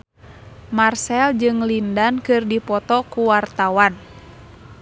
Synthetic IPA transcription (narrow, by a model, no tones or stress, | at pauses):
marsɛld͡ʒɨŋlindankɨrdipɔt̪ɔkuwart̪awan